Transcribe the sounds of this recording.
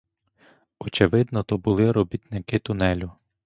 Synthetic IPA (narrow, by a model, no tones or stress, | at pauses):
ɔt͡ʃeʋɪd̪nɔt̪ɔbʊlˠɪɾɔbʲit̪nɪkɪt̪ʊnɛlʲʊ